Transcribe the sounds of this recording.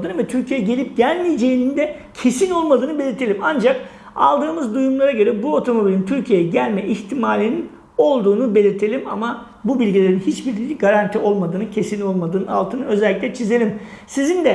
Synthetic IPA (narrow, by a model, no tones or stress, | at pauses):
d̪ɯnvɛt̪ʰyɾcʰijejɛɟelʲip̚ɟænʲmijd͡ʒe̞jinind̪ɛ | cʰe̞sino̞lˠmad̪ɯːnɯbe̞lʲiɾt̪ʰe̞lʲimand͡ʒak | a̰lˠd̪ɯːmɯzd̪ujumlˠaɾaɟø̞ɾɛbuo̞t̪ʰo̞mo̞bilʲint̪ʰyɾcʰije̞jɛɟælʲmɛʔiçt̪ʰimaːlʲinin | o̞lˠd̪uːnube̞lʲiɾt̪ʰe̞lʲima̰ma | bubilʲɟilʲe̞ɾinhit͡ʃbiɾlʲiɡaɾant̪ʰio̞lˠmad̪ɯːnɯcʰe̞sino̞lˠmad̪ɯːnɯna̰lˠt̪ʰɯːnɯø̞zɛlʲːiclʲɛt͡ʃʰize̞lʲim | sizind̪ɛ